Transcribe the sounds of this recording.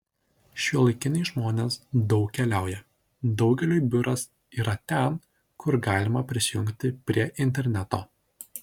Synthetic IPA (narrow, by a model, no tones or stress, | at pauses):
ʃʲuɔlˠɐɪkʲɪnʲɛɪʒmoːnʲeːsd̪ɒʊkʲkʲɛlʲæˑʊjɛ | d̪ɒʊɡʲɛlʲoːjbʲʊɾɐs | iːɾɐt̪ʲɛn | kʊɾɡɑːlʲɪmɐpʲɾʲɪsʲɪjʊŋʲkt̪ʲɪpʲɾʲiɛʔɪnʲt̪ʲɛɾʲnʲæt̪oː